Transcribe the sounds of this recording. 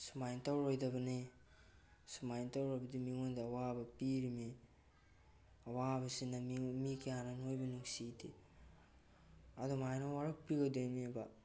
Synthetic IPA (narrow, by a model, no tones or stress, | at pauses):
sumajntawɾojdabɐne | sumajntawɾojbɐdimiŋondiawabɐpiɾimi | awabasinamikʰiananojbɐnuksitʰe | adumajnowaɾok̚piɡadejmiba